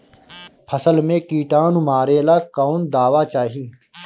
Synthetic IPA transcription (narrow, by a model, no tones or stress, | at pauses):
pʰɐsəlmẽkiːʈaːnumaːɾeːlaːkawnd̪aːwaːt͡ʃaːɦiː